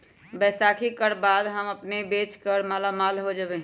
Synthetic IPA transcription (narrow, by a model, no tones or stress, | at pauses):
bɛːsakʰikəɾbaːd̪ɦəməpnebeːt͡ʃkəɾmaːlamaːlɦod͡ʒəbe